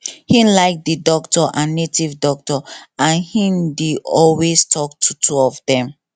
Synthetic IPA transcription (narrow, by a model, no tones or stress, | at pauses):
hĩlaɪk̚didɔk̚tɔʔãnːetivdɔk̚tɔãnhĩndiɔlwestʰɔk̚tʰutʰuɔfdɛ̃m